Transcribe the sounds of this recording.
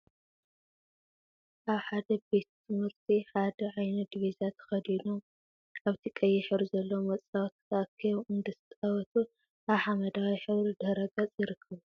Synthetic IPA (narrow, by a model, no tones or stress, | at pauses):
ʔaβħad̪ɐbe̞t̪t̪ʰɨmhɨɾt̪ʰiħad̪ɐʕajnɐd̪iβizat̪ʰɐ̥xɐd̪inu | ʔaβt̪ʰikʼɐjːɪħɨɾuzɐlːɐwmɐt͡sʼɐwɐt̪ʰɨ̥t̪ʰɐʔkʰːɐjuʔɨnd̪ɐsɨt̪ʼɐβɐt̪ʰu | ʔaβħamɐd̪awiħɨβɾid̪ɐɾɐɡɐt͡sʼjɪɾɨkʰːɐβu